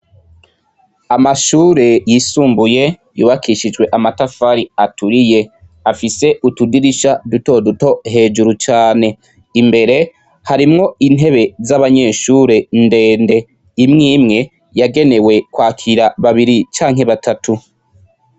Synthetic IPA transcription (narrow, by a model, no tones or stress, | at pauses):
amaʃuːɾe̞jiːsuːmbuje̞ | jṵːβakʰiʃid͡ʒɡwe̞ʔamatafaɾiatʰuɾije̞ | afise̞ʔutudiɾiʃaduto̞duto̞ɦe̞ːd͡ʒuɾut͡ʃaːne̞ | imbe̞ɾe̞ | haɾimŋo̞inɦe̞βe̞zaβaɲe̞ʃuːɾe̞nde̞ːnde̞ | imŋiːmŋe̞ | jaɡe̞ne̞we̞kwaːkʰiɾaβaβiɾit͡ʃaːŋɦe̞βatʰatʰu